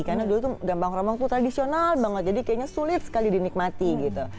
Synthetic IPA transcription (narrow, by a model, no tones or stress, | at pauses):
karnadulut̪uɡambaŋromaŋt̪ut̪ɾadisionalbaŋət̪̚d͡ʒadikajaɲasulɪt̪̚sə̥kalidinik̚mat̪iɡit̪u